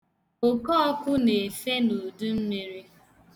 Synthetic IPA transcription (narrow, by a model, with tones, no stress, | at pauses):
o˨kɔ˦ɔ˦kʊ˦ne˨fe˦nu˨du˦m̩˦me˨ɾi˦